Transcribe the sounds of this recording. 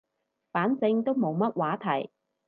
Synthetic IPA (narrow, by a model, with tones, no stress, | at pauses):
faː˨˥nt͡sɪ˧ŋt̪o˥wmo˨˧wmɐ˥t̚waː˨˥t̪ʰɐ˨˩j